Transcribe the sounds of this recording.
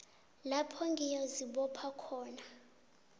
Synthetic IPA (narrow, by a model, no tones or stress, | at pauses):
lapʰɔŋɡʱijoziɓɔpʰakʰɔːna